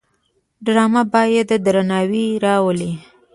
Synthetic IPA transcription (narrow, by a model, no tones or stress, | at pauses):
ɖɾɑmabɑjed̪əd̪ɾanɑwiɾɑwəli